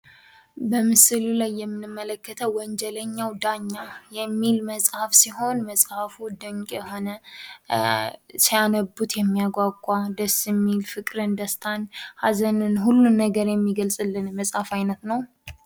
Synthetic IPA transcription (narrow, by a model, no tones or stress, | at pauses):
bəmɨsɨlulajːɛmːɨnɨmːələkːət̪ʰəwwɔɲd͡ʒɛləɲːawd̪aɲːajɛmːilməsʼhafsiho̞nməsʼhafud̪əɲkʼɛɦo̞nə | sijanəbːut̪jɛmːijaɡʷaɡʷʼwad̪əsːɛmːilfɨkʼɾɨnd̪əst̪ʰanhazənɨnhulːunːəɡəɾjɛmːiɡəlsʼɨlːɨnməsʼhafajnət̪nəw